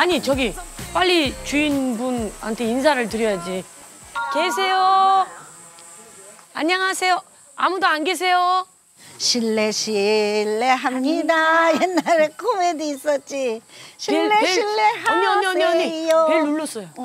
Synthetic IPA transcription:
aɲit͡ɕʌɡip͈aʎːit͡ɕuinbunha̰ntʰe̞ins̬ʰaɾɯɭtɯɾjʌjad͡ʑi | kes̬ʰe̞jo | aɲːaŋɦasʰe̞jo | amudoanɡes̬ʰe̞jo | ɕʰilːeɕʰilːeɦamɲidajenːaɾekʰomediːs͈ʌt̚t͡ɕ͈iɕʰieːeilːeɦamɲʌɲʌʌɲijokeɭnuɭːʌs͈ʌjo

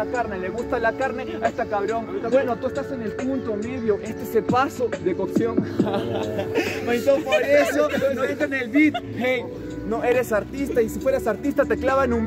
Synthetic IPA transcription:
akaɾne̞le̞ɣust̪alakaɾne̞aest̪akaβɾo̞ŋt̪awenot̪uest̪ase̞ne̞lpunt̪omiβjoʔe̞st̪eeselpasoðekoksjoŋ | noit̪opaɾesjoonoet̪anelbit̪̚ | hej | noe̞ɾe̞saɾt̪ist̪aisifwe̞ɾasaɾt̪ist̪at̪e̞klaβaenũm

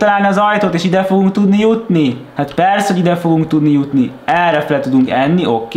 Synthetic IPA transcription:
t̪ɒlaːlniɒzɒjt̪oːt̪eːʃid̪ɛfo̞ɡuŋkt̪ud̪nijut̪nihat̪pɛrshoɟid̪ɛfo̞ɡuŋkt̪ud̪nijut̪niɛrɛfɛlt̪ud̪uŋkɛnːio̞kː

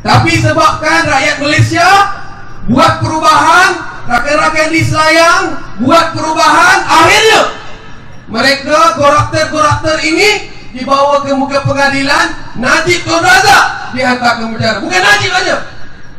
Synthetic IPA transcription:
t̪apisəbap̚kanraʔjat̪̚ɡəlesia | buat̪̚pəɾubaɦanrakajɾakajdisajaŋbuat̪̚pəɾubaɦanahirɲa | məɾekaɡoɾat̪ərɡoɾaft̪əɾini | dibawakəmuɡapəŋadilanːad͡ʒit̪ɔrdazadiat̪akanbədaɾamukanːad͡ʒimad͡ʒa

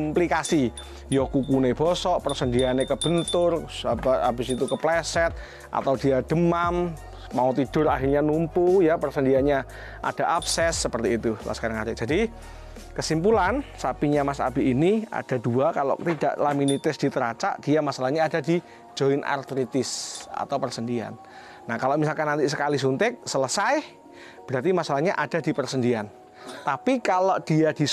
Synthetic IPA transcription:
mplikasi | jokukuneb̥ɔsɔʔpərsəndianekəb̥ənt̪ʊrɦabɪsit̪ukəplɛsɛt̪̚ | ʔa̰t̪awdiad̥əmam | maot̪id̥ʊrahirɲanumpujapərsəndiaɲa | ʔa̰d̥a̤ʔabsɛsːəpərt̪iːt̪ula̰səkaɾaŋaɾɪk̚d͡ʒ̥a̤di | kəsimpulansapiɲamasa̰biʔːnia̰d̥a̤duakalo̰ʔt̪ida̰ʔlaminit̪ɪsd̥it̪əɾat͡ʃa̰ʔd̥iamasalahɲaːdadi | d͡ʒ̥oɪnʔa̰rt̪ɾit̪ɪsa̰t̪awpərsəndia̰nː | ahkaloʔmis̬alkanːant̪isəkalis̬unt̪ɪk̚sələsaj | b̥əɾart̪̬imasalahɲaʔad̥a̤dipərsəndian | t̪apikalod̥iad̥i

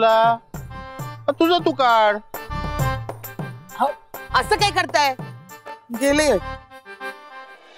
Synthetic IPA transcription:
la | at̪ud͡zat̪ukaɽ | ɦaəsəkaikəɾt̪aj | ɡelẽ

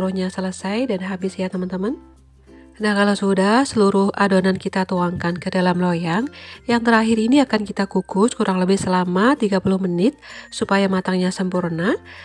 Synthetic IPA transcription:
ɾuhɲasələsajdanɦabɪsjat̪əmant̪əman | nahkalawsudahsəluɾʊhʔadonankit̪at̪uaŋkankədalamlojaŋjaŋt̪əɾaɦiɾiniakankit̪akukʊskuɾaŋləbɪhsəlamat̪iɡapulʊhmənɪt̪̚supajamat̪aŋɲasəmpurna

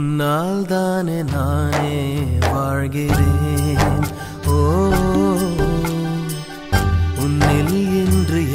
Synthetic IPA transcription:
nːaːld̪aːnenaːneːbaːɻɡiɾe | oː | unːeljendɾi

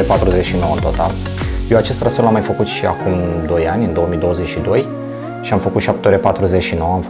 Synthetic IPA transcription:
epat̪ɾuzet͡ʃʃino̞wəɨnt̪o̞t̪al | jewat͡ʃe̞st̪ɾasfelamːajfəkut̪ʃia̰kumd̪o̞janʲɨnd̪ooəmijd̪o̞wəze̞t͡ʃʃid̪o̞j | ʃiamfəkut̪ʃiap̚t̪eoɾepat̪ɾuze̞ʃino̞wəamf

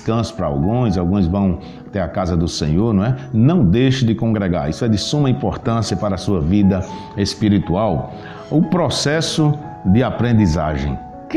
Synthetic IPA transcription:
skɐ̃sʊ̥pɾɐa̰wɡũj̃zawɡũj̃zvɐ̃w̃ | t̪eɾakazɐd̪ʊsḛ̃ɲoɾnũw̃ɛnɐ̃w̃d̪ejʃʊd̪ɪkõɡɾɛɡa̰ɾisʊɛd̪ɪsũmɐĩmpɔɾt̪ɐ̃siɐpaɾɐːsuɐvid̪ɐ | espiɾit̪uaw | ʊpɾɔsɛsʊ | d̪ɪapɾẽnd̪iza̰ʒḛ̃j̃ | k

